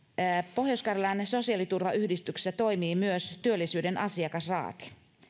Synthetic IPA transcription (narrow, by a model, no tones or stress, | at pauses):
po̞hjoskɑrelɑnso̞siɑlit̪urʋɑʔyhdist̪ykse̥sːæt̪o̞jmiːmyøst̪yølːisyːdenɑsiɑkɑsrɑ̰ːt̪i̥